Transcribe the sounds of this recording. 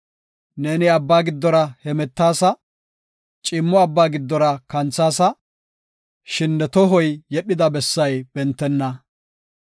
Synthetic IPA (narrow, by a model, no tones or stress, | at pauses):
neːnɪɐbːaːɡɪd̪ːɔɾɐhɛmɛt̪ːaːsɐ | t͡ʃʼɪmːɔɐbːaːɡɪd̪ːɔɾɐkɐnt͡sːaːsɐ | ʃɪnːɛt̪ɔɦɔjjɛɗɪd̪ɐbɛsːɐjb̥ɛnt̪ːɛnːɐ